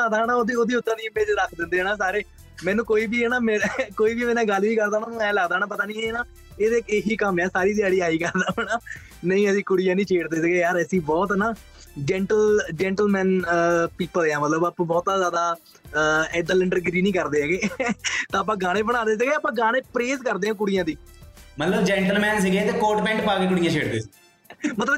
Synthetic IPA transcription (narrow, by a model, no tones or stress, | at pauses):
aːd̪aːɦnaːoːd̪iːoːd̪iːʊt̪ːãːniːmeːd͡ʒɾəkʰd̪ɪ̃nd̪eːɦːnaːs̬aːɾeː | mɛ̃ːnũːkoːiːbiːɦɛːnaːmɛkoːiːʋiːmɛːnãːɡəlʋiːkəɾd̪aːmãːnũːɛ̃ːləɡd̪aːñaːp̬ət̪aːnĩːɛːnaː | eːd̪eːeːɦiːkəmɛ̃ːsaːɾiːt̪jaːɽiːaːiːkəɾd̪aːnaː | nə̃ĩːəsĩːkʊɽijãːnĩːt͡ʃʰeːɽd̪eːsəɡeːjaːɾəsĩːbɔːt̪naː | d͡ʒɛ̃ːɳʈəld͡ʒɛ̃ːɳʈəlmɛ̃ːnpiːpəlãːmət̪ləbaːpãːbɔːt̪azjaːd̪aː | ɛd̪ələɳɖəɾɡɾiːnĩːkəɾd̪eːɛɡeːt̪ãːp̬ãːɡaːɽ̃ẽːbəɽ̃ãːd̪eːs̬ɪɡeːəpãːɡaːɽ̃ẽːpɾeːzkəɾd̪eːɦãːk̬ʊɽɪjãːd̪iːmət̪ləbd͡ʒɛ̃ːɳʈəlmɛ̃ːns̬ɪɡeːt̪eːkoːʈbɛ̃ːɳʈpaːɡeːkʊɽɪijãːt͡ʃʰeːɽd̪ḛːs | mət̪ləb